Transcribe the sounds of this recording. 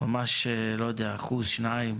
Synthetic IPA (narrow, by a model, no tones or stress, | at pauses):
mamaʃlojad̪ɛaχuzʃnajɪm